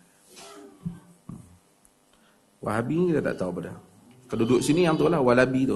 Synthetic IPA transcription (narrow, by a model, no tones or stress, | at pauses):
wa̰labiɲkit̪at̪a̰ʔt̪aupada̰ | kaludʊʔsinijaŋt̪olahwalabit̪ʊ